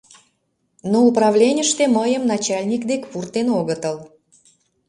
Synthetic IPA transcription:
nouprɑvlʲenʲəʃt̪eməjəmnɑt͡ɕɑlʲnʲikd̪ekʲpurt̪ːenoɣət̪əl

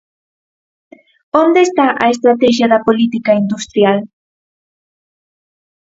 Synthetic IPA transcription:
ond̪eːst̪aʔaest̪ɾat̪ɛʃ̬jaðɐpolit̪ikaind̪ust̪ɾjal

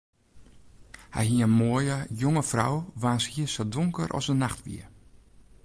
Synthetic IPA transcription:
hɛ̰jɦiəənmoəjəjoŋəfra̰wʋaːnshiəsodoŋkəɾʔɔ̰sənaxtʋḭə

